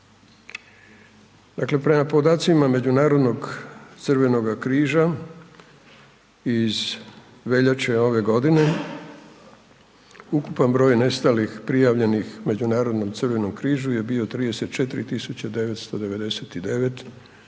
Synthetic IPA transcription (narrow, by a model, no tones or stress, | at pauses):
d̪akle̞pɾe̞mapo̞d̪aːt̪simame̞d͡ʑunaːɾod̪no̞ɡt̪sɨrʋe̞no̞ɡakɾiːʒa | iz | ʋe̞ʎat͡ʃeo̞ʋe̞ɡo̞d̪ine̞ | ukupanbɾo̞jne̞st̪alixpɾijaʋʎe̞nixme̞d͡ʑunaːɾo̞d̪no̞mt̪sɨrʋe̞no̞mkɾiːʒuje̞biot̪ɾiːd̪e̞set̪̚t͡ʃe̞t̪iɾit̪isut͡ɕad̪e̞ʋe̞t̪st̪o̞d̪e̞ʋe̞d̪e̞set̪id̪e̞ʋe̞t̪